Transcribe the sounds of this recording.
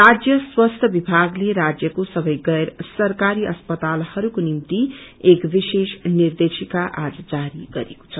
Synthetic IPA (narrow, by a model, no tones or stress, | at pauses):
rad͡zjʌswʌst̪ʰʌbibʱaɡleɾad͡zjʌkosʌbʌjɡʌeɾsʌrkaɾiʌspʌt̪alhʌɾukonimt̪iekbisesnird̪esikaʔad͡zʌd͡zaɾiɡʌɾeko̥t͡sʰʌ